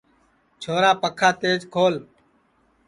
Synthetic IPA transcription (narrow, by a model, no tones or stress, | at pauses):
t͡ʃʰoːɾaːpəkʰaːt̪eːd͡ʒkʰoːl